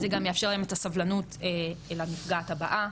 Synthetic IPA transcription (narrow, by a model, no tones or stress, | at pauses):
zeɡamjafʃe̞ʁlajemetasavlanuteelamifɡataba̰ʔa